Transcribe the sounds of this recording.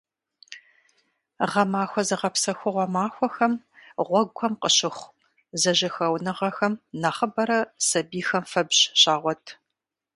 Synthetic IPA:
ʁɐmaːxʷɔzɐʁɐpsɐxʷʊʁʷɔmaːxʷɔxɐm | ʁʷɔɡʷʰɔmqəɕɪχʷ | zɐʑɐxɐwnɨʁɐxɐmnɐχəbɐɾɐsɐbiːxɐmfɐbɕɕaːʁʷɔtʰ

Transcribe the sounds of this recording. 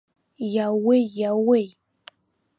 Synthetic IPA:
jawejawej

